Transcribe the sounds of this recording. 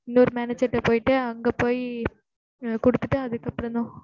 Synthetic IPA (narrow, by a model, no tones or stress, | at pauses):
ɪnːoɾɯmaːned͡ʒɐʈːepoːjiʈːɨɐŋɡeːpoːji | kɔɽut̪ːɨ̥ʈːɨɐðɯkːɐpːɐɽɐnːo